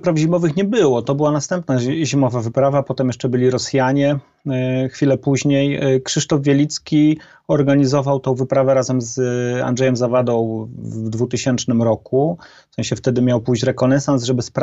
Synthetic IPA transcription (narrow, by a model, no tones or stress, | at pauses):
pɾafʑimɔvɘxɲɛbɘwɔt̪ɔbɘwanast̪ɛmpnaʑimɔvavɘpɾavapɔt̪ɛmjɛʂt͡ʂɛbɘlʲiɾɔsjaɲɛ | xfʲilɛpuʑɲejkʂɘʂt̪ɔvvʲjelʲit̪skʲi | ɔɾɡaɲizɔvawt̪ɔ̃w̃vɘpɾavɛɾazɛmza̰ndʐɛjɛmzavad̪ɔ̃w̃vd̪vut̪ɘɕɛnt͡ʂnɘmɾɔkuffsɛ̃ɕɛft̪ɛd̪ɘmʲjawpujt͡ɕɾɛkɔnɛsansʐɛbɘsp